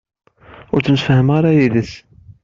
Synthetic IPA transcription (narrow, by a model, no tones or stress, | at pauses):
ʊɾt͡sːəmfhəmʁaɾajiðəs